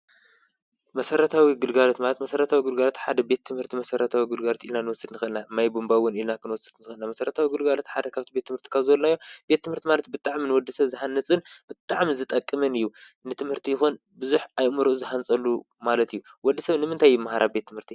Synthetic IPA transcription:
mɐsɐɾɐt̪ʰawiɡɨlɡalot̪malɐt̪mɐsɐɾɐt̪ʰawiɡɨlɡalot̪ħad̪ɐbe̞t̪ʰːɨmhɨɾt̪ʰimɐsɐɾɐt̪ʰawiɡɨlɡalot̪ilnanɨwɔsɨd̪nɨxɨʔɨlnamajbumbawʊnilnakʰɨnwɔsɨd̪nɨxɨnamɐsɐɾɐt̪ʰawiɡɨlɡalot̪ħad̪ɐkʰaβt̪ʰibet̪ʰːɨmhɨɾt̪ʰi̥kʰaβzɨɐlnajːob̥e̞t̪ːɨmhɨɾt̪ʰimalɐt̪bɨt̪ʼaʕminɨwɔd̪ːɨsɐβzɨɦanːɨt͡sʼɨnb̥ɨt̪ʼaʕmizɨt̪ʼɐkʼːɨmɨnɨjːu | nɨt̪ʰɨmhɨɾt̪ʰijɪxun | bɨzuħajmɨɾʔuzɨħant͡sʼɐlːu | malɐt̪ʰijːuwɔd̪ːisɐβnɨmɨnt̪ʰajɨmaɦaɾʔabe̞t̪ʰːɨmhɨɾt̪ʰi

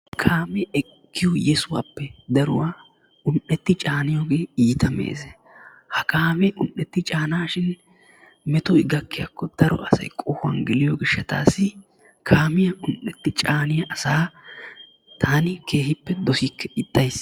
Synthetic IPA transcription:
kʰaːmɛɛkkːɪjɔjɛsʊwa̰ːpːɛd̪ɐɾʊ̰waː | ʊnʔːɛt̪ːɪt͡ʃʼaːnɪjoːɡeːiːt̪ɐmḛːsɛ | hɐkaːmɛʊnʔːɛt̪ːɪt͡ʃʼaːnaːʃɪn | mɛt̪ɔɪɡɐkːɪja̰kːɔd̪̥ɐɾɔ̰ʔɐsɐ̰jkʼɔhʊɐ̰nɡɪlɪjoɡɪʃːɐt̪a̰ːsːɪ | kʰaːmɪjɐʊnʔːɛt̪ːɪt͡ʃʼaːnɪjɐʔɐsaː | t̪ʰaːnɪke̞ːɦɪpːɛd̪ɔsikːɛɪt̪ʼːɐjs

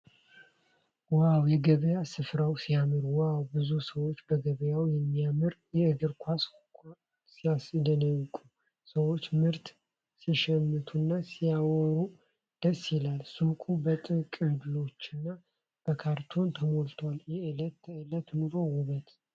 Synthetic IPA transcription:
wawjɛɡəβəjasɨfɾawsijamɨɾuwawbɨzusəwot͡ʃːbəɡəβəjawjɛmːijamɨɾjɛɨɡɨɾkʷʰas | k | sijasd̪ənəwkʼu | səwo̞t͡ʃːmɨɾt̪ | siʃɛmːɨt̪ʰunːasijawɔɾu | d̪̥əsːjilalsukʼubət̪ʼɨkʼɨd̪lo̞t͡ʃːɪnːa | b̥əkʰaɾt̪ʰo̞nt̪ʰəmo̞lt̪ʰoaljɛɨlət̪ːɨlət̪nɨɾo̞wʊβət̪

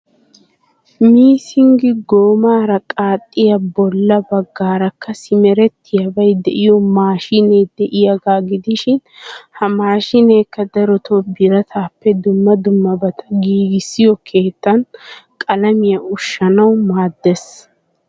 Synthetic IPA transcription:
miːsɪŋɡɪɡoːmaːɾɐkʼaːt̪ʼːɪjɐbɔlːɐbɐɡːaːɾɐkːɐsɪmɛɾɛt̪ːɪjɐbɐjd̪ɛʔɪjɔmaːʃɪne̞ːd̪ɛʔɪjɐɡaːɡɪd̪ɪʃɪnhɐmaːʃɪneːkːɐd̪ɐɾɔt̪ʰobɪɾɐt̪ʰaːpːɛd̪ʊmːɐd̪ʊmːɐbɐt̪ʰɐ̥ɡiːɡɪsːɪjɔkʰe̞ːt̪ːɐnkʼɐlɐmɪjɐʊʃːɐnɐwmaːd̪ːes

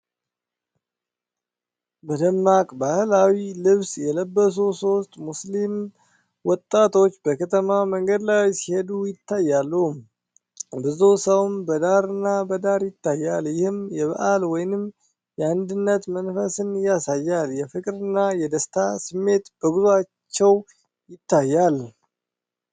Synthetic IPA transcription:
bəd̪əmːakʼbahɨlawilɨβsjɛləbːəs̬uso̞st̪ʼmuslim | wɔt̪ʼːat̪ʰo̞t͡ʃːbəkʰət̪ʰəmaməŋɡəd̪lajsihe̞d̪ujɪt̪ʰːajːalːəhum | bɨzusəwmbəd̪aɾɨnːabəd̪aɾjɪt̪ːajːaljɪhɨmjɛβəʔalwɔjnɨm | jɛand̪ɨnːət̪mənfəsɨnjasajːaljɛfɨkʼɾɨnːajɛd̪əst̪ʰasɨmːe̞t̪b̥əɡuzuat͡ʃːɛw | jɪt̪ʰːajːal

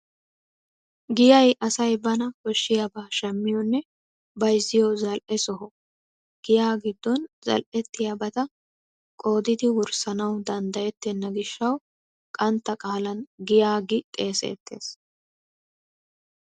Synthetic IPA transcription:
ɡɪjɐjʔɐsɐjbɐnɐkɔʃːɪjabaːʃɛmːɪjɔnːɛ | bɐjzːɪjɔzɐlʔɛsɔɦɔ | ɡ̥ɪjaːɡɪd̪ːɔnzɐ̰lʔɛt̪ːɪjabɐt̪ɐ | kʼo̞ːd̪ɪd̪ɪwʊɾsɐnɐwd̪ɐnd̪ɐjɛt̪ːɛnːɐɡɪʃːɐw | kʼɐnt̪ːɐkʼaːlɐnɡɪjaːɡɪkʼe̞ːsḛːt̪ːe̞̰ːs

